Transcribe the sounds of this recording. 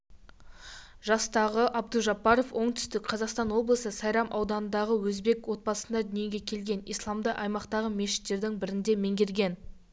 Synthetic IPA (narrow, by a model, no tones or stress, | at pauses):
ʒɑst̪ɑʁəʔɑb̚d̪uʒɑpːɑɾo̞fwʔo̞ɴt̪ʰʏ̥st̪ɪkqʰɑzɑqst̪ɑnwo̞blˠəsəsɑjɾɑmʔɑwd̪ɑnənd̪ɑʁəwɵzbe̞kwo̞t̪̚bɑsənd̪ɑd̪ʏnije̞ɡʲe̞kʲʰe̞lɡʲe̞nḭjslˠɑmd̪əʔɑjmɑqt̪ɑʁəme̞ʃɪ̥t̪ːe̞ɾd̪ɪŋbɪɾɪnd̪e̞me̞ŋɡʲe̞ɾɡʲe̞n